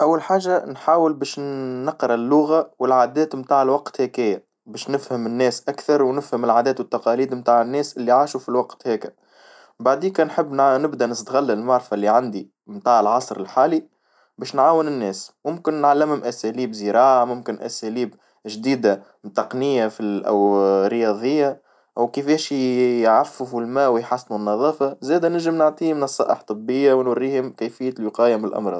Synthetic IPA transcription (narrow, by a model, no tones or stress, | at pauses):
ʔæwːalħaːʒanħaːwəlbɛːʃːɑqɾˤɑlːʊɣawɪlʕaːd̪ɛːt̪mt̪aːʕlwɑqt̪hækɪjːa | bɛːʃnɪfhəmɪnːɛːsʔækθɑɾˤwnɪfhəmɪlʕaːd̪ɛːt̪wət̪ːɑqɑliːd̪mt̪aːʕɪnːɛːsʔɪlːiʕaːʃufilwɑqt̪hɛːkɪ | baʕd̪iːkɛnħəbːnɪbd̪ænəst̪ɣalːalmaʕɾˤfalːiʕand̪i | mt̪aːʕəlʕɑsˤɾɪlħaːli | bɛːʃnʕaːwɪnɪnːɛːsmʊmkɪnːʕalːɪmhʊmʔæsæliːbziɾɑːʕamʊmkɪnʔæ̰sæliːb | ʒd̪iːd̪a | t̪ɑqnɪjːafiʔæ̰wɾəjɑːðˤəjːa | ʔæwkɪfɛːʃjʕafːɪfulmæːwɪjħasːnunːɑðˤɑːfɑzɛːd̪ænɪʒəmnəʕt̪ˤiːmnɑsˤːɑ̰ːʔəħt̪ˤɨbːɪjːawnwarːiːhʊmkæfɪjːælwiqɑːjamnɪlʔɑ̰mɾˤɑ̰ːd̪̥ˤ